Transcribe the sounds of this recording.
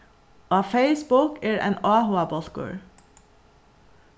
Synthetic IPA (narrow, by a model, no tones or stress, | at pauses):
ʔɑːfeɪsbʊkæːɹʔḛːnɑːhʊɑbɔt̪kø̰ːɹ